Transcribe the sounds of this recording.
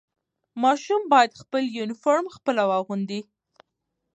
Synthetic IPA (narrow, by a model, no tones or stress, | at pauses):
mɑʃumbɑjad̪xpəljunɪfɑɾmxpəlawɑɣund̪i